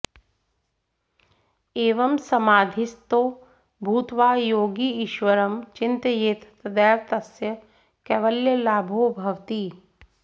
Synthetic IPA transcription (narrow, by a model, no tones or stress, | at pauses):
eːʋɐmsɐmaːd̪ʱist̪oː | bʱuːt̪ʋaːjoːɡiːʃʋɐɾɐmt͡ʃɪnt̪əjeːt̪t̪ɐd̪ɛːʋt̪ɐsjɐ | kɛʋɐljəlaːbʱobʱɐʋt̪i